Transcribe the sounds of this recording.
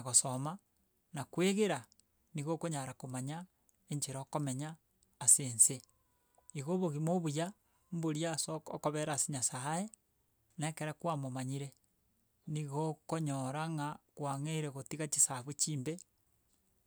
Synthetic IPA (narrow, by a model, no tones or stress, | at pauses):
aɣosoma | nakweɣeɾa | niɣokoɲaɾakomaɲa | eɲd͡ʒeɾaːkomeɲaː | seːnse | iɣoβoɣimoβuja | mboɾjasookoβeɾasiɲasae | nekeɾekwamomaɲiɾe | niɣokoɲoɾaŋakwaŋeiɾeɣotiɣat͡ʃisaβwet͡ʃiːmbe